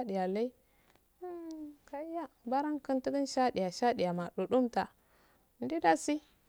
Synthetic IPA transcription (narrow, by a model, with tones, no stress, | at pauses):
ɗi˨ja˨la˦i˦ | ka˨˦ja˦ba˦ɾa˦ŋkə˦nti˦ɡi˦nʃa˦ɗi˨ja˨ʃa˦ɗi˨ja˨ma˨ɗu˨ɗu˦mta˨ | n˦di˦da˦si˦